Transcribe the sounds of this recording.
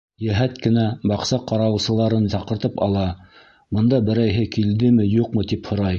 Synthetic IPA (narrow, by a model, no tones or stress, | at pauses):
jæɦæt̪kɘ̆næbɑqsɑqɑɾɑwsɤ̆lˠɑɾɤnsɑqɤ̆ɾt̪ɤpɑ̰lˠɑ | bɤ̆nd̪ɑbɘ̆ɾæjɦɘkild̪ɘmɘjuqmɤt̪iphŏɾɑj